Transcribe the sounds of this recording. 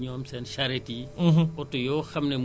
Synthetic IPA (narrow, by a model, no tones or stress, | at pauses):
ɲɔːmsɛnʃɐɾetiɔtːujɔːxɐmnɛm